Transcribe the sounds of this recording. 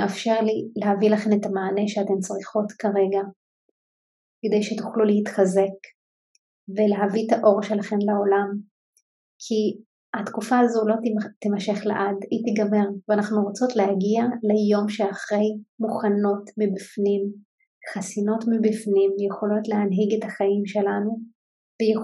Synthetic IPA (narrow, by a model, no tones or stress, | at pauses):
afʃeʁlileɦavilaχe̞met̪amaːneʃeate̞mt͡sʁiχo̞tkaʁe̞ɡa | ked̪ejʃetu̥χluleit̪χaze̞k | veleɦavitaʔo̞ʁʃelaχe̞nlao̞lam | kʰi | atkufaːzulo̞t̪imaʃe̞χlḛʔadit̪iɡame̞ʁveanaχnuʁot͡so̞tleaɡialejo̞mʃeaχʁe̞jmuχano̞tmibifnim | χasino̞tmibifnimjeχo̞lo̞tleanɦiɡethaχajimʃe̞lanu | veje